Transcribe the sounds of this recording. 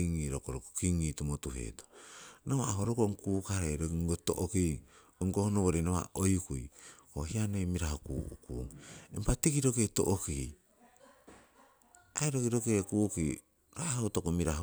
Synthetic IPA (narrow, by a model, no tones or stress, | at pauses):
iŋiɾokoɾoko̥kiŋitumotuɦḛto̥noβaːɦoɾokoŋkuːkaɾeɾoŋɡoto̰ʔoki | oŋkohonoβoɾenoβa̰ojkujohianejmiɾahokṵukṵːŋḛmpatikiɾoketo̰ʔoki | aeɾokiɾokekuki | ɾahotokomiɾah